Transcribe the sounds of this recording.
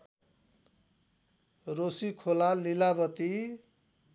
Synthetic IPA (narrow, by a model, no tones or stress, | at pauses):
rosikʰolalilabʌt̪i